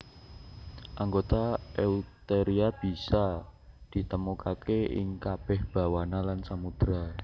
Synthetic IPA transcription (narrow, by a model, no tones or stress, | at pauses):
ʔaŋɡot̪aɛut̪eɾiab̥i̤sad̪̥i̤t̪əmukakeɪ̰ŋkab̥ɛhb̥a̤wanalansamud̪̥ɾa